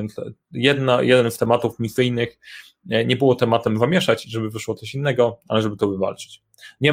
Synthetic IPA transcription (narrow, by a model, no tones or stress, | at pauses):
ɛnsjɛd̪najɛd̪ɛnst̪ɛmat̪ufmʲisɘjnɘx | ɲɛbɘwɔt̪ɛmat̪ɛmzamʲjɛʂat͡ɕʐɛbɘvɘʂwɔt̪sɔɕinːɛɡɔalɛʐɛbɘt̪ɔvɘva̰lt͡ʂɛ̥t͡ɕ | ɲɛ